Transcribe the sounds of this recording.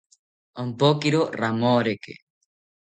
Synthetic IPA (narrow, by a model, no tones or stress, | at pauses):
ompokiɾoramoɾekḛ